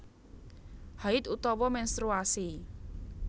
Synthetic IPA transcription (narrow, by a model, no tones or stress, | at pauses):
haɪt̪ut̪ɔwɔmɛnst̪ɾuasi